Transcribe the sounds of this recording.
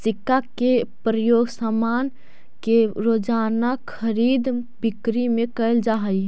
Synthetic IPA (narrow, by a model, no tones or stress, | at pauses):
sɪkːakepɾəjoːɡsamaːn | keɾoːd͡ʒaːnakʰəɾiːd̪ | bɪkɾimẽkəjld͡ʒaɦəi